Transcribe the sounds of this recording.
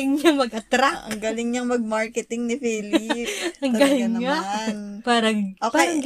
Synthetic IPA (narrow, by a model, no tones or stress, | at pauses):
ɪŋɲaŋmɐɡʔɐt̪ɾaʔɐ̰ŋɡalɪŋɲɐŋmɐɡ̚maɹkɛt̪ɪŋnɪfiːlɪpɐŋɡɡalɪŋɲanpaːɾɐŋʔoːpaajɐŋɡ